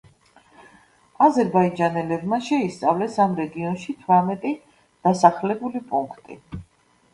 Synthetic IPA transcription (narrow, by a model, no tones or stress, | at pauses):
azɛɾbaid͡ʒanɛlɛbmaʃɛist̪sʼavlɛsamɾɛɡiɔnʃit̪ʰvɾamɛt̪ʼi | d̪̥asaχlɛbulipʼuŋkʰt̪ʼḭ